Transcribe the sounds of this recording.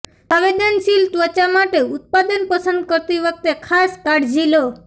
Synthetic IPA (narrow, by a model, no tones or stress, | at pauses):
aʋed̪ənʃilt̪ʋət͡ʃamaʈeut̪̚pad̪ənpəsənd̪̚kəɾt̪iʋək̚t̪ekʰaskaɽd͡ʒilo